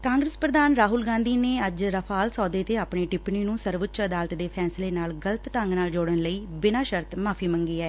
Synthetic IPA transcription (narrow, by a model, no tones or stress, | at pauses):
kãːŋɡɾəspɾəd̪aːnɾaːɦʊlɡãːnd̪iːneːəd͡ʒɾəpʰaːlsɔːd̪eːt̪eːaːpɳeːʈɪpniːnũːsəɾʋʊtːʃəd̪aːlət̪d̪eːpʰɛːsleːnaːlɡələt̪ʈəŋɡnaːld͡ʒoːɽənləiːbɪnaːʃəɾt̪maːpʰiːmə̃ŋɡiːɛː